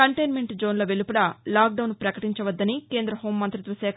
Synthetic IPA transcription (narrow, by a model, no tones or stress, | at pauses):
kɐɳʈɐjnme̞ɳʈd͡ʒoːnlɐʋelupuɽɐlaːk̚ɖɐwnpɾɐkɐʈiɲt͡ʃɐʋɐd̪ːɐnike̞ːnd̪ɾɐɦo̞ːmːɐnt̪ɾit̪ʋɐsɛːkʰ